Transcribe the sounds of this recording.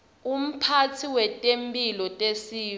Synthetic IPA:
um̩pʰatʰiwɛtʼempʼilɔtʼesiː

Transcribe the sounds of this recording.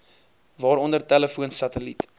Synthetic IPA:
vɑːɾɔndərtæləfuənsɐtəlit

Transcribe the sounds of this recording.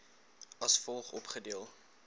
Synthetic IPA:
ɐsfɔlˠχɔpχədiəlˠ

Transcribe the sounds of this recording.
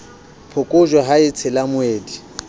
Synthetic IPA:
pʰʊkʼʊʒwaɦaɪt͡sʰɪlamʊeːdi

